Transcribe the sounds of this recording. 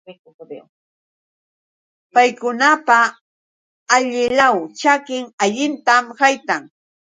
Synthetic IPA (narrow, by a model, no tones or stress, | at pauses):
pajkʊnapa | ʎɪlawt͡ʃakɪŋaʎɪnt̪amhajt̪aŋ